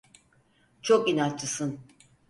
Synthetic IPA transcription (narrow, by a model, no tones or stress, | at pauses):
t͡ʃʰokinat͡ʃt͡ʃɯsɯn